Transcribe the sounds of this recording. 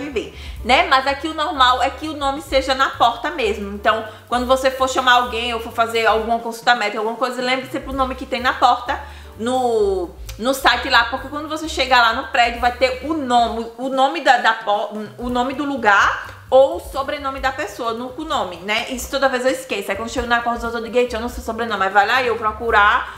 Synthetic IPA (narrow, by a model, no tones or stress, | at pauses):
vive | nɛmɐzakiʊnɔɾmawɛkɪʊnõmɪseʒɐnɐpɔɾt̪ɐmezmʊẽnt̪ɐ̃w̃ | kwɐ̃nd̪ʊvosefoɾʃɐ̃maɾawɡẽj̃owfoɾfazeɾawɡũɐkõsult̪amɛ̃t̪awɡũmɐkojzɐelẽmbɾɪsẽplʊnõmɪkɪt̪ẽj̃nɐpɔɾt̪ɐ | nʊ | nʊsajt̪ɪlapohkekwɐ̃nd̪ʊvoseʃeɡalanʊpɾɛd͡ʒʊvajt̪eɾʊnõmɪʊnõmɪd̪ɐd̪ɐpɔʊnõmɪd̪ʊluɡaɾ | owsobɾenõmɪd̪ɐpesoɐnũkʊnõmɪnɛʔisʊ̥t̪od̪ɐvezewiskesʊɛkɐ̃d̪ʊʃeɡʊnakɔɾd̪zozod̪ɪɡejt͡ʃĩẽwnɐ̃w̃sosobɾenõmɪmazvajlaewpɾɔkuɾa